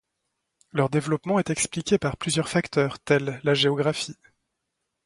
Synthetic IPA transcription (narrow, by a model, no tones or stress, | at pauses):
lœʁd̪evlɔpmɑ̃ɛt̪ɛksplikʲepaʁplyzjœʁfakt̪œːʁt̪ɛlːaʒeɔɡʁafi